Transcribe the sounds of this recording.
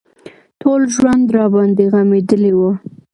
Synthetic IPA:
tʰolʒwand̪ɾɑbɑnd̪eɣamed̪əlewo

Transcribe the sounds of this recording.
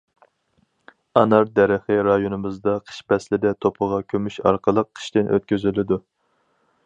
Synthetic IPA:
ɑnɑɾd̪ɛɾɨχɨɾɑjonɨmɨzd̪ɑqʰə̥ʃpɛslɪd̪ɛt̪ʰopʰəʁɑkʲʰømyʃɑ̰ɾqəlˠəqʰːə̥ʃt̪ɪnʔø̰t̪kʲyzylɪd̪u

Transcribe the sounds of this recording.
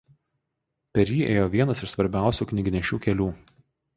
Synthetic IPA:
pʲɛɾʲjiːʔḛːjoːʋʲiɛnɐsɪʃsʋɐɾʲbʲæˑʊsʲuːknʲɪɡʲɪnʲɛʃʲuːkʲɛlʲuː

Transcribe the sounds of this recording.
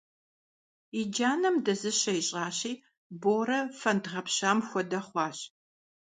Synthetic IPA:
id͡ʒaːnɐmdɐzɨɕɐiɕʼɑːɕiː | boːɾɐfɐndʁɐpɕaːmxʷɔdɐχʷɑːɕ

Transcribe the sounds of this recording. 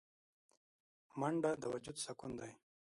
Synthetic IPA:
maɳɖad̪əwad͡ʒud̪sakund̪aj

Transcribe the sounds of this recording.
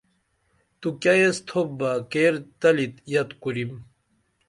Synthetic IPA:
t̪ukɐjest̪ʰobbakeːɾt̪ɐlit̪jɐt̪kuɾim

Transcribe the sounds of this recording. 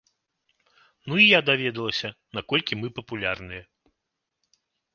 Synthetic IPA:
nuijad̪avʲɛd̪ɐlˠɐsʲɐnakɔlʲkʲimɨpɐpulʲarnɨjɐ

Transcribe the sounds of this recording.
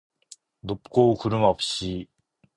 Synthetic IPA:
d̪opɯ̥koːkɯɾɯmaɸɯ̥ɕi

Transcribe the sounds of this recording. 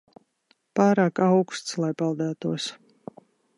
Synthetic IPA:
paːɾaːkawkst̪slˠajpalˠd̪æːt̪uɔs

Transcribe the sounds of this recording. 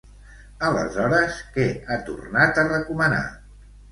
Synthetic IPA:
ələ̰zɔɾəskɛat̪ṵrnat̪ərəkuməna̰

